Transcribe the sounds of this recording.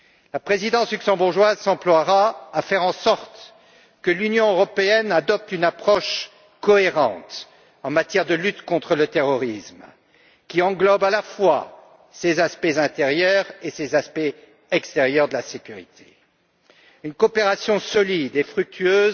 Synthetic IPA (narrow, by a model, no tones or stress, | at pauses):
lapχezid̪ɑ̃slyksɑ̃buʁʒwazsɑ̃plwaʁaafɛʁɑ̃sɔʁt̪ | kəlynjɔ̃øʁɔpeɛnad̪ɔp̚t̪ynapχɔʃ | kɔeʁɑ̰̃t̪ | ɑ̃mat̪jɛʁd̪əlyt̪kɔ̃t̪χələt̪eʁɔʁism | kʲiɑ̃ɡlɔbalafwa | sezaspɛzɛ̃t̪eʁjœʁesezaspɛ | ɛkst̪eʁjœʁd̪əlasekʲyʁḭt̪ʰe̥ | ynkɔpeʁasjɔ̃sɔlid̪efχyk̚t̪ʰyøːz